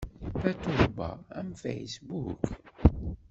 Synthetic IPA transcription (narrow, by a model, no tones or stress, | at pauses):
fæt̪ubɑ̰æ̰mfḛjsbuk